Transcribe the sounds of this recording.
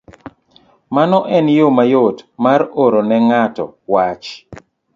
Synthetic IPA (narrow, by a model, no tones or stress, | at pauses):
manɔʔɛnjomajotmaɾoɾonɛŋatɔ̰wat͡ʃ